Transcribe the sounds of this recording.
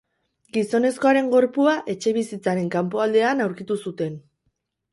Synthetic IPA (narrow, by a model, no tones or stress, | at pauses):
ɡiso̞ne̞sko̞aɾe̞ŋɡo̞ɾpuaʔe̞t͡ʃe̞β̞isit͡saɾe̞ŋkampo̞ald̪e̞anawɾkit̪usut̪e̞n